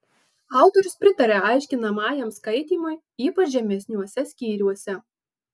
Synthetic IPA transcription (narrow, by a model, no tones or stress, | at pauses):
ɑˑʊt̪ɔɾʲʊspʲɾʲɪt̪ɐɾʲɛɑɪʃʲkʲɪnɐmɑːjɛmskɐɪt̪ʲiːmoj | iːpɐʃʒʲɛmʲɛsʲnʲuɔsʲɛsʲkʲiːɾʲuɔsʲɛ